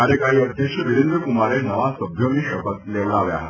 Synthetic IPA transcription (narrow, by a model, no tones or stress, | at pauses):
aɾjəkaɦiːəd̪ʱjəkʂəʋiɾend̪ɾəkumaɾenəʋasəbʱjomiːɕəkət̪leʋɭaʋja̰ɦat̪